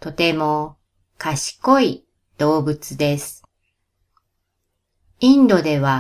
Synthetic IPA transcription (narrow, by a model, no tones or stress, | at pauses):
t̪o̞t̪e̞mo̞ | kaɕi̥ko̞i | d̪̥o̞ːbɯ̟t͡sɨd̪e̞sɨ̥ | ĩnd̪o̞d̪e̞βa